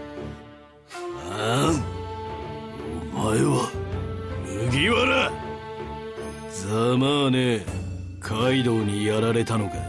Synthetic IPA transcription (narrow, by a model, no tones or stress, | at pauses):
a | oomaeβa | mɯɡʲiβaɾa | d͡zamaːne | kʰaid̪oːɲ̟ijaɾaɾe̞t̪ano̞ɡa